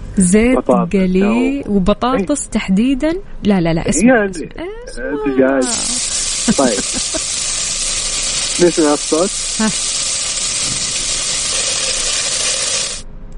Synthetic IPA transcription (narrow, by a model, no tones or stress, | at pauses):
zeːd̪ɡaliːwbɑt̪ˤɑːt̪ˤɨsˤt̪aħd̪iːd̪anlalala̰ʔɪsanʔeː | t̪ɪd͡ʒaːd͡ʒ | t̪ˤɑjːb | meʃnafsˤɑt̪ha